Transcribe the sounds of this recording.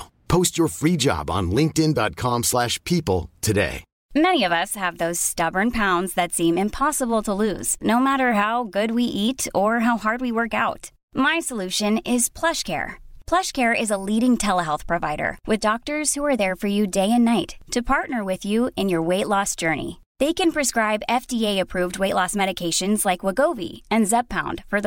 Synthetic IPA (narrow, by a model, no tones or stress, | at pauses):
pʰoʊst͡ʃə˞fɹid͡ʒɑ̰bn̩lɪ̃ŋk̚tɨ̃ndɑ̰t̚kʰɑ̃mslæʃpʰipl̩ˠtʰɨdḛɪ | mɛñiʌvʌshɨvðoʊz̥stʌbə˞npʰãʊ̃ndzðɨtsĩmɨ̃mpʰɑsəbl̩ˠtʰəlʉ̰z̥noʊmæɾə˞ɦaʊɡʊd̚wiʔiɾə˞ɦaʊhɑɹd̚wiwɜ˞kaʊt | maɪsəlʉʃɨ̃nɪz̥pʰl̥ʌʃkʰɛ̰ɹpʰl̥ʌʃkʰɛɹʔɪzəliɾɪ̃ŋtʰɛlˠəɦɛlˠθpʰɹ̥ɨva̰ɪɾə̰˞wʔɨðdɔk̚tə˞z̥huə˞ðə˞fə˞jɨdeɪɨ̃nːaɪtʰɨpʰɑɹtnə˞wɪðjʉɪ̃njə˞weɪʔˡlɔsd̥ʒ̥ɜ˞nḭ | ðeɪkɨ̃npʰɹ̥ɨskɹaɪbɛfdieɪɨpʰɹ̥ʉvd̚weɪʔlɔsmɛɾɨkʰeɪʃɨ̃nzlaɪkwəɡoʊvḭɨ̃nzɛb̚pʰãʊ̃nd̥fə˞ð